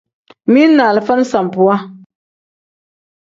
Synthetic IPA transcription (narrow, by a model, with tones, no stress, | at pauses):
mi˦n˦nːaː˨lɨ˨fa˦nɨ˦sa˨m˨pʊ˨a˦